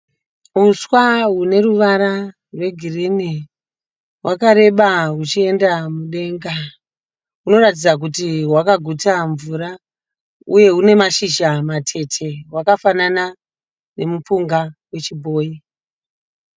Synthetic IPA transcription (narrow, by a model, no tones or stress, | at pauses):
uswaɦune̞ruʋaɾa | rwe̞ɡʱirini | wʔakaɾe̞ɓaɦut͡ʃie̞ndamuɗe̞ŋɡa | uno̞rat̬id͡zak̬utiɦwakaɡʱutaɱvuɾa | uje̞ɦune̞maʃiʒamatʰe̞tʰe̞wakafanana | ne̞mup͡fuŋɡawe̞t͡ʃibʱo̞ːji